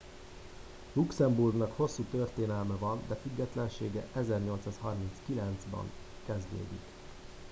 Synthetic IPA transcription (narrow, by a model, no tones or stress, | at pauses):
luksɛmburɡnɒkho̞sːut̪ørt̪eːnɛlmɛvɒnd̪ɛfyɡːɛt̪lɛnʃeːɡɛʔɛzɛrɲo̞lt̪saːshɒrminskilɛnd̪zbɒ̰ŋ | kɛzd̪ḛːd̪ḭk